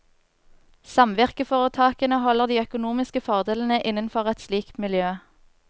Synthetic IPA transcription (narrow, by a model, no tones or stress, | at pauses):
sɑmʋɪʁkəfoːʁət̪ʰɑːkənəhɔləʁd̪iːœkʊnuːmɪskəfɔʁd̪eːlən̩əʔɪnənfɔʁɛt̪sliːkt̪mɪljøː